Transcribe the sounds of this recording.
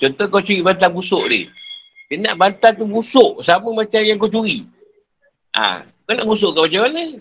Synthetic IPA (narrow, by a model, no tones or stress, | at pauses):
t͡ʃɔnt̪ɔhkat͡ʃuɾibant̪̬anbusʊʔdɪ̰h | t̪enaʔbant̪ant̪̬ubusʊʔsaməmat͡ʃamjaŋkat͡ʃuɾi | ʔa̰ | konaʔbus̬ʊʔkabat͡ʃamanə